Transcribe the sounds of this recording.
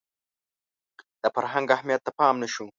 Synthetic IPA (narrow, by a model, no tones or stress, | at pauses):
d̪̥əfaɾɦaŋɡahmijat̪ːapɑːmnaʃu